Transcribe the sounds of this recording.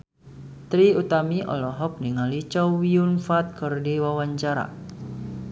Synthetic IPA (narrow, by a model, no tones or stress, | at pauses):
t̪ɾiut̪amiʔɔ̰lɔɦɔp̚niŋalit͡ʃɔwiunfat̪̚kərdiwawaɲt͡ʃaɾa̰